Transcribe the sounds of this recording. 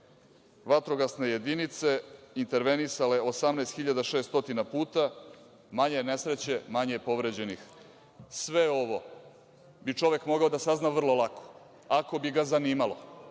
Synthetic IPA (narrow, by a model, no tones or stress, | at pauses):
ʋat̪ɾo̞ɡasneje̞d̪init̪se̞int̪e̞ɾʋe̞nisaleosamnaest̪xiʎad̪aʃest̪o̞t̪inapuːt̪a | maɲene̞sɾet͡ɕe̞maɲepo̞ʋɾed͡ʑe̞nix | sʋeo̞ʋo̞ | bit͡ʂo̞ʋekmo̞ɡaod̪asaznaʋr̩lˠo̞lˠakʰo̥ | ako̞biɡazaniːmalo